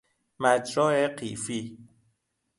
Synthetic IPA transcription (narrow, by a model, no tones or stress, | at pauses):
mæd͡ʒɾɔːeqḭːfiː